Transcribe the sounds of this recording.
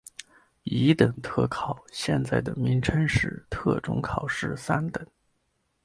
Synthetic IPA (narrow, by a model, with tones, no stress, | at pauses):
i˧˥t̪ə˨˩ŋt̪ʰɤ˥˩kʰɑ˨˩ʊɕjɛ̰˥˧nt͡sa˥˩ɪd̪ə˩mi˧˥ŋʈ͡ʂʰə˥nʂɻ̩˥˩t̪ʰɤ̰˥˩ʈ͡ʂʊ̰˥ŋkʰɑ˨˩ʊʂɻ̩˥˩sa˥nt̪ə˨˩˦ŋ